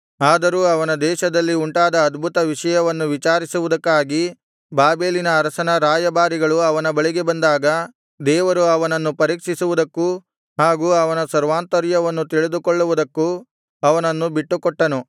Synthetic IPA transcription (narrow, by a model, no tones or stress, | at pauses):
aːd̪ɐɾuːɐʋɐnɐd̪ɛːʃɐd̪ɐlːiuɳʈaːd̪ɐːd̪bʱut̪ɐʋiʂɐjɐʋɐnːuʋit͡ʃaːɾisuʋud̪ɐkːaːɡi | baːbeːlinɐːɾɐsɐnɐɾaːjɐbaːɾiɡɐɭuɐʋɐnɐbɐɭiɡe̞bɐnd̪aːɡɐ | d̪ɛːʋɐɾuɐʋɐnɐnːupɐɾiːkʂisuʋud̪ɐkːu | ɦaːɡuːɐʋɐnɐsɐɾʋaːnt̪ɐɾjɐʋɐnːut̪iɭid̪ukɔɭːuʋud̪ɐkːu | ɐʋɐnɐnːubiʈːukɔʈːɐnu